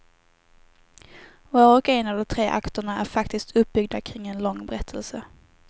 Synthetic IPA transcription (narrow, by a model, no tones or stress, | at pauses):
vɑːɾɔkɛnavd̪ɔmt̪ʰɾeːʔa̰kt̪əɳaæɾfakt̪ɪst̪ʰɵp̚bʏɡ̚d̪akʰɾɪŋːɛnlɔŋːbɛɾɛt̪ʰːəlsə